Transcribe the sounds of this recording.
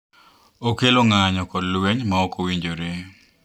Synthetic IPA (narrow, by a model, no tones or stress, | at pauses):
okeloŋaɲɔkɔdlweɲmaɔkowiɲd͡ʒoɾe